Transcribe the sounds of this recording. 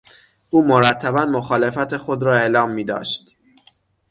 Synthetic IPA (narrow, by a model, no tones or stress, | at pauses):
ʔuːmoɾæt̪ʰːæbænmoxɒːle̞fæt̪ʰexo̞d̪ɾɒːe̞lɒːmːiːd̪ɒ̰ːʃt̪